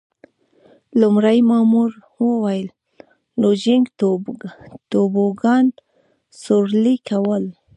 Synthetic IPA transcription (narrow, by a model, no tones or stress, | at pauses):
lumɾajmɑmuɾ | wəwajəl | lod͡ʒɪŋɡ̪ | t̪oboɡɑn | soɾlikawəl